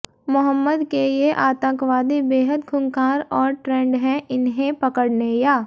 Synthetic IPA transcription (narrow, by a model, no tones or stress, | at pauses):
mʊɦəmːəd̪keeʔaːt̪ə̃ŋkʋaːd̪ibeːɦəd̪ɡʰʱʊŋkaːɾɔːɾʈɾɛ̃ːɳɖɦɛ̃ʔɪnɦẽpɐkəɽnejaː